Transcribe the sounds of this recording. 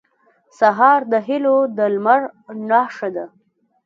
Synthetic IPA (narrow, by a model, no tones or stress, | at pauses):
saɦɑɾd̪əɦɪlod̪əlmaɾnɑʂad̪a